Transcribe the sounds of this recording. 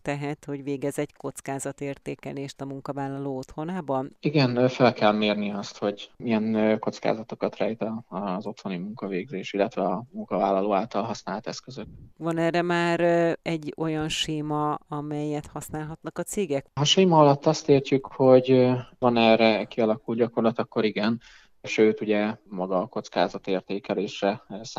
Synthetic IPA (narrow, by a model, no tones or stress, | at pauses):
t̪ɛɦɛt̪ho̞ɟʋeːɡɛzɛcko̞t̪skaːzɒt̪eːrt̪eːkɛ̰leːʃt̪ɒmuŋkɒvaːlːɒloːot̪ho̞naːbɒniɡɛnfɛlkɛlmeːrniɛɒst̪ho̞ɟijɛnko̞t̪ska̰ːzɒt̪o̞kɒt̪ra̰jit̪ɒzo̞t̪ho̞nimuŋkɒveːɡzeːʃilːɛt̪ʋɛɒmuŋkɒva̰ːlːɒloːaːlt̪ɒlɦɒsnaːlɒt̪ɛskøzøk̚vɒnɛːrːɛmaːɾɛɟːo̞jɒnʃeːmɒɒmɛjːɛt̪hɒsnaːlɦɒt̪nɒkɒt̪seːɡɛkɦɒʃeːmɒɒlɒt̪ːɒst̪eːrt͡ʃykho̞ɟvɒnɛːrɛkiɒlɒkuld̪ɟɒko̞rlɒt̪ɒkːo̞ɾiɡɛn | ʃøːt̪uɟɛmɒɡɒko̞t̪skaːzɒt̪eːrt̪eːkɛleːʃrɛs